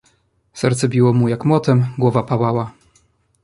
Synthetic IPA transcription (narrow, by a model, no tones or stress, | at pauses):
sɛ̰ɾt̪sɛbʲiwɔmujakmwɔt̪ɛmɡwɔvapawawa